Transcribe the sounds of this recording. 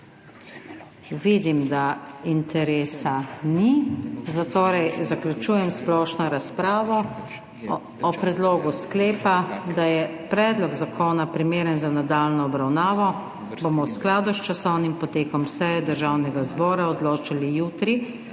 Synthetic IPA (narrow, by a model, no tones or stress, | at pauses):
ʋid̪imd̪aint̪ɛɾeːsanizat̪oːɾɛjzaklʲjut͡ʃuːjɛmsplɔːʃnɔɾaspɾaːʋɔ | ɔpɾɛd̪loːɡuskleːpad̪ajɛpɾɛːd̪lɔɡzakʰoːnapɾimeːɾənzanad̪aːlnɔɔbɾawnaːʋɔ | bomɔwsklaːd̪ust͡ʃasɔwnimpɔt̪eːkɔmsɛjɛd̪əɾʒawnɛɡazbɔːɾaɔd̪loːt͡ʃalijuːt̪ɾi